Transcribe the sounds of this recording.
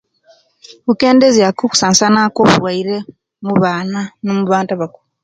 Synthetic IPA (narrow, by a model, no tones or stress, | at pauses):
βuke̞ːndeziakuku̥saːnsanakoːβuɾwaiɾe̞ | muβaːnanomuβaːntaβakuɾu